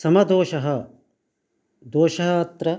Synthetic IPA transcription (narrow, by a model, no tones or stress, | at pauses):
sɐmɐd̪oːʃɐɦɐ̆ | d̪oːʃɐɦɐːt̪ɾɐ